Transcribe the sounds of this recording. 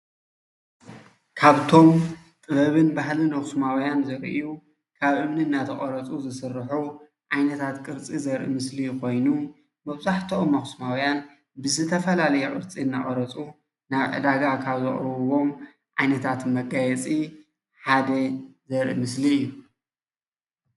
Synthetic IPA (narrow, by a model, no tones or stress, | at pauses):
kʰaβt̪ʰo̞m | t̪ʼɨβɐβɨnbaɦlɨnɐxsmawjanzɐɾʔḭju | kʰaβʔɨmniɨnːat̪ʰɐχʼɐɾɐt͡sʼuzɨsɨrħu | ʔajnɐt̪ʰat̪kʼɨɾt͡sʼizɐɾʔḭmɨslikʰo̞jnu | mɐβzaħt̪ʰɐomːɐxsmawjan | bɨzɨt̪ʰɐfɐlalɐjukʼɨɾt͡sʼiɨnːɐχʼɐɾɐt͡sʼu | naβʕɨ̰d̪aɡakʰaβzɨ̰χʼɾɐβɨwo̞m | ʔajnɐt̪ʰat̪mɐɡajɛt͡sʼi | ħad̪ɐzɐɾʔḭmɨsliɨjːu